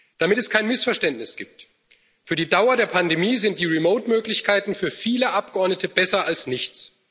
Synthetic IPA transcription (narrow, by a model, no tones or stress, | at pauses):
d̥amɪtɛskʰaɪnmɪsfɛɐʃtɛntnɪsɡ̥iːp̚t | fyːɐdiːdaʊɐdeːɐpʰandemiːzɪnt̚d̥iːʁimoʊtmøːklɪçkʰaɪtn̩fyːɐfiːləʔap̚ɡ̥əʔɔɐdnətəbɛsɐalsnɪçt͡s